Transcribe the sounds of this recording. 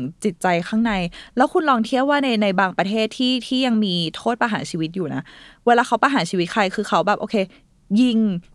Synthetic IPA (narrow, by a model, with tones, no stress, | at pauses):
ŋt͡ɕi˨˩t̪̚t͡ɕa˧jxʰaː˥˩ŋna˧jlɛː˦˥wkʰu˧nlɔː˧ŋt̪ʰi˥˩əwaː˥˩na˧jna˧jbaː˧ŋpɾa˧t̪ʰeː˥˩t̪ʰiː˥˩t̪ʰiː˥˩ja˧ŋmiː˧t̪ʰoː˥˩t̪̚pa˧ɦaː˩˦nsiː˧wi˦t̪̚juː˨˩na˦˥weː˧laː˧kʰa˦˥wpa˧ɦaː˩˦nt͡ɕʰiː˧wi˦˥t̪̚kʰa˧jkʰɯː˧xʰa˦˥wbɛː˨˩p̚ʔoː˧kʰeː˧ | ji˧ŋ